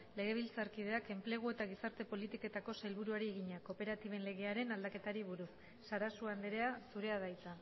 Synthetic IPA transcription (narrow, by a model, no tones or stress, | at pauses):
le̞ɣ̞e̞β̞ilt͡saɾkið̞e̞ake̞mple̞ɣ̞ue̞t̪aɣ̞isaɾt̪e̞po̞lit̪iko̞t̪ako̞sajlβ̞uɾuaɾie̞ɣ̞iɲako̞pe̞ɾat̪iβe̞nle̞ɣ̞e̞aɾe̞nald̪ake̞t̪aɾiβ̞uɾusː | aɾasuand̪eɾe̞asuɾe̞aðajt͡sa